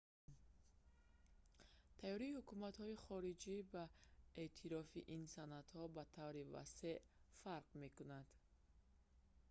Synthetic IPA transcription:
t̪ʰajɔɾiːhukumat̪hɔiχɔɾid͡ʒibaet̪ʰiɾɔfiʔinsanat̪hɔbat̪ʰavɾiva̰seʔ | faɾqme̞kunad̪̥

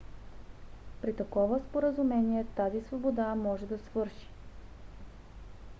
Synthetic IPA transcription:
pɾit̪ɐkɔvəspoɾəzumɛniɛt̪azisvobod̪amɔʒɛd̪ɐsvɤɾʃi̥

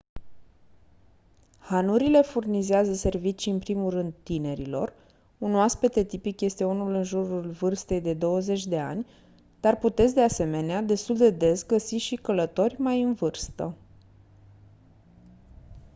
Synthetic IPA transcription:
hanuɾile̞furnizeazəse̞rvit͡ʃiɨnpɾimurɨnd̪̚t̪ine̞ɾilo̞̰r | unoaspet̪e̞t̪ipikje̞st̪e̞unulɨnʒuɾulvɨrst̪e̞jd̪e̞d̪o̞wəze̞t͡ʃʲd̪e̞a̰nʲ | d̪arput̪e̞t̪sʲd̪ease̞me̞nead̪e̞st̪uld̪e̞d̪e̞sɡəsiʃikələt̪o̞rʲmajɨnvɨrst̪ə

